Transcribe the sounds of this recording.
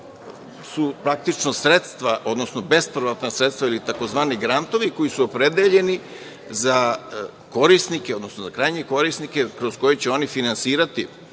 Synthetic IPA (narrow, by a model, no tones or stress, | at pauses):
supɾak̚t̪it͡ʃnosɾet̪st̪ʋaʔo̞d̪no̞snobe̞spɾʋat̪nasɾet̪st̪ʋailit̪ako̞zʋaːniɡɾant̪o̞ʋiko̞jisuopɾed̪eʎe̞ni | za | ko̞ɾisnikeo̞d̪nosnozakɾajɲe̞ko̞ɾisnikekɾosko̞jet͡ɕeo̞nifinansiːɾat̪i